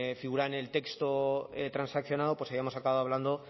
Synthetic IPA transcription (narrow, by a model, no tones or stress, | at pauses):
fiɣuɾaene̞lt̪ekst̪oet̪ɾansakθjo̞naðopwaβiamosakaβaðoaβland̪o̞